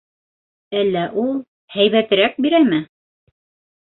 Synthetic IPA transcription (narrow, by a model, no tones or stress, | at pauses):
ælːæʔulˠ | hæjβæt̪ɘ̆ɾæk̚biɾæmɘ